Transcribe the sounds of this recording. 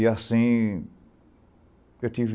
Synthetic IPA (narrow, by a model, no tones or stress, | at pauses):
iasĩ | ewt̪iv